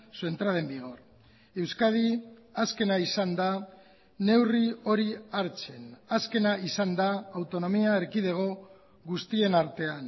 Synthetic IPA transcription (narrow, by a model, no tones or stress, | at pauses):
sue̞nt̪ɾaðe̞mbiɣ̞o̞ɾ | e̞wskaðiaske̞naisand̪a | ne̞wrio̞ɾiaɾt͡se̞naske̞naisand̪aːwt̪o̞no̞miaeɾkið̞e̞ɣ̞o̞ | ɣust̪ie̞naɾt̪e̞an